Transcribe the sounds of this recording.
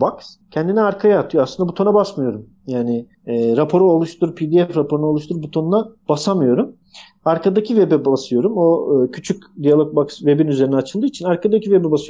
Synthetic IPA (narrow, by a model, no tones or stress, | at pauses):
baks | cʰɛnd̪iniaɾkʰajaːt̪ʰɯjoasˠɯnd̪abut̪ʰo̞nabasmɯjo̞ɾum | jaːnɪː | ɾapʰo̞ɾuolˠuʃt̪ʰuɾpʰid̪iɛfɾapʰo̞ɾunolˠuʃt̪ʰuɾbut̪ʰo̞nunab̥asamɯjo̞ɾum | aɾkʰad̪acʰivebɛbasɯjo̞ɾumo̞ːcʰyt͡ʃʰycʲd̪ijalʲˠok̚baksve̞binyze̞ɾinɛat͡ʃʰɯlˠd̪ɯːit͡ʃʰinaɾkad̪acʰivebɛbasɯjom